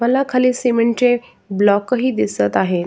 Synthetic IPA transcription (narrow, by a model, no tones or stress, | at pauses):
ɐlakʰɐlisemə̃nʈẽ | blɔːkɦid̪ɪsət̪aːɦeː